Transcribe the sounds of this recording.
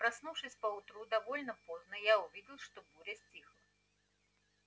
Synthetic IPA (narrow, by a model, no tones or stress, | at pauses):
pɾasnuwʂɨsʲpɐwt̪ɾud̪avɔlʲnɐpɔznɐjauvʲid͡zʲilˠʂt̪ɔbuɾʲɛsʲt͡sʲixlˠɐ